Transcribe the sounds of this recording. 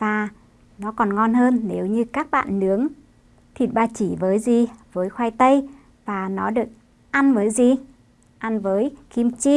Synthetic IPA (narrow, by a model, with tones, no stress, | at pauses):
vaː˨˩ | nɔ˨˦kɔ˨˩nŋɔ˧nɦəː˧nːe˨˦wɲɨ˧kaː˦˥k̚ɓa̰ː˧˨nːɨ˨˦əŋ | t̪ʰi˨˩t̚ɓaː˧t͡ɕi˧˩vəː˨˦jzi˨˩vəː˨˦jxwaː˧jt̪ə˧j | vaː˨˩nɔ˨˦ɗɨ˨˩ək̚ | ʔa˧nvəː˨˦jzi˨˩ | ʔa˧nvəː˨˦jki˧mt͡ɕi˧